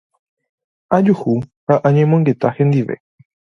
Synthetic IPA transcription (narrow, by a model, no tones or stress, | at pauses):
ad͡ʒuhuhaʔãɲẽmõŋɡe̞t̪ahẽ̞nd̪iʋe̞̰